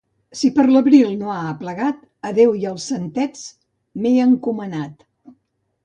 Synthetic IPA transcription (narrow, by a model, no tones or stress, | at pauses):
sipəɾləβɾilˠnoaəpləɣat̪ | əðewiəlˠsənt̪ɛt͡s | meəŋkumənat̪